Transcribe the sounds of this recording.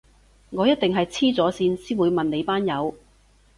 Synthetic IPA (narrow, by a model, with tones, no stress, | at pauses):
ŋɔː˨˧jɐ˥t̚t̪ɪ˨ŋɦɐ˨jt͡sʰiː˥t͡sɔː˨˥siː˧nsiː˥nwuː˨˧jmɐ˨nle˨˧jpaː˥njɐ˨˧w